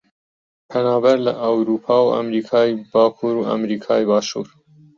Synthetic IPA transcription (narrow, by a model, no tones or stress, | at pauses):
pʰɐnɑːbɐɾlɐʔəwɾuːpʰɑːwʔɐ̰mɾiːkʰɑːjbɑːkʰuːɾuʔɐ̰mɾiːkʰɑːjbɑːʃṵːɾ